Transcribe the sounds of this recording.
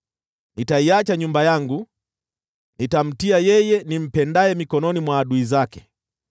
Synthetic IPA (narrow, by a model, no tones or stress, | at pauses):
nitaiat͡ʃaɲumbajaŋɡu | nitam̩tiajɛjɛnim̩pɛndaɛmikɔnɔnimwaːɗuizakɛ̥